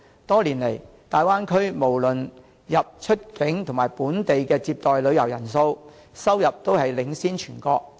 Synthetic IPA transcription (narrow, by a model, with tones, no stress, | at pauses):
t̪ɔː˥liː˨˩nle˨˩j | t̪aː˨jwaː˥nkʰɵ˥ɥmo˨˩wlɵ˨n | jɐ˨p̚t͡ʃʰɵ˥t̚kɪ˨˥ŋt̪ʰʊ˨˩maː˨˩jpuː˨˥nt̪e˨jkɛː˧t͡siː˧p̚t̪ɔː˨jlɵ˨˧ɥjɐ˨˩wjɐ˨˩nso˧w | sɐ˥wjɐ˨p̚t̪o˥whɐ˨jlɪ˨˥ŋsiː˥nt͡ʃʰyː˨˩nkɔː˧k̚